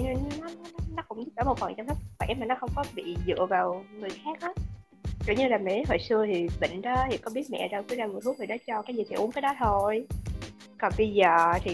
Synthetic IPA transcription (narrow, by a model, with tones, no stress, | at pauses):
ne˧nnɔ˨˦n˨˦˨nɔ˨˦kʊ̰˧˥ŋ͡mt̪i˦˥t̚ʔəː˧˦mo˨˩t̚fə˨˩ŋt͡ɕɔ˧ŋ͡msʰə˦˥k̚va̰˧˩˨ɛ˧˨˦maː˨˩nɔ˨˦xə˧wŋ͡mkɔ˨˦ɓḭ˧˨zɨ̰˧˨əvaː˨˩wŋɨ˨˩əjxaː˦˥k̚ʔaː˨˦ | zo̰˧˩ɲɨ˧laː˨˩mɛ˨e˨˦˥ho̰˧˨jsɨ˧ət̪ʰi˨˩ɓḭ˧˨ŋ̟ɗɔ˨˦hi˨˩kɔ˨˦ɓi˦˥ət̚mɛ̰˧˨zə˧wkɨ˨˦zaː˧mɨ˨˩t̪̚ʰu˦˥k̪̚ʰi˨˩ɗɔ˨˦t͡ɕɔ˧kaː˨˦jzi˨˩t̪ʰi˨˩ʔu˨˦nkaː˨˦jɗɔ˨˦t̪ʰo˧j | kɔ˨˩nɓə˧jzəː˨˩t̪ʰi˨˩